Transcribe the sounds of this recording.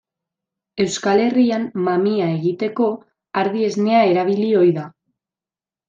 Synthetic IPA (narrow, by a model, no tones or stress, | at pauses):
e̞wskale̞riamːamiae̞ɣit̪e̞ko̞ | aɾðie̞zne̞ae̞ɾaβ̞ilio̞jða